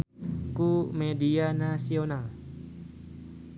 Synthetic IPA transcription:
kumedianasional

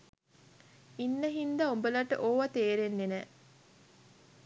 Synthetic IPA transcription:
inːəɦind̪ɐombəlɐʈə̰ʔoːʋɐt̪eːɾenːenɛː

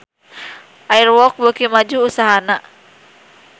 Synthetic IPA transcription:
ʔairwɔk̚bəkimad͡ʒuːsaɦana

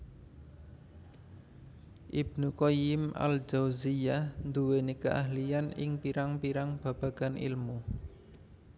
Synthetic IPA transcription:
ʔib̥̚nukojima̰ld͡ʒawzijahnd̪uwenekəʔaɦlijanɪ̰ŋpiɾaŋpiɾaŋb̥a̤b̥a̤ɡ̥anʔḭlmu

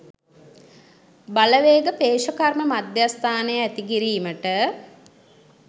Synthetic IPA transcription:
baləʋeːɡəpeːʃəkarməmad̪jast̪ʰaːnəjəæt̪ikiɾiːməʈə

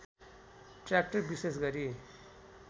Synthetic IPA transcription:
ʈrak̚ʈʌrbises̬ɡʌɾi

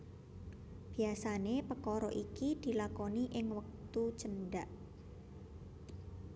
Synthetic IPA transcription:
b̥i̤asanepəkɔɾɔʔikid̪̥i̤lakɔniʔɪŋwək̚t̪ut͡ʃənɖaʔ

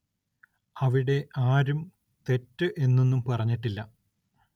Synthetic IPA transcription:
ɐʋiɽe̞ʔaːɾum | t̪e̞tːɨʔe̞nːenːumpɐrɐɲːiʈːilːɐ

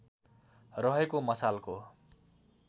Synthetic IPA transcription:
rʌɦekomʌsalko

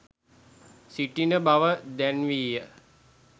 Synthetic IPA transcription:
siʈinəbaʋəd̪ænʋiːjə

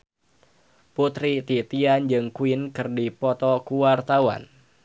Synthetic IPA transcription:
put̪ɾit̪it̪iand͡ʒɨŋkuinkɨrdipɔt̪ɔkuwart̪awa̰n

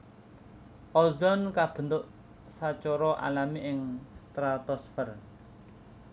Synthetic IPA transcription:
ʔɔzɔnkab̥ə̤nt̪ʊʔ | sat͡ʃɔɾɔʔa̰lamiʔɪŋst̪ɾat̪ɔsfər

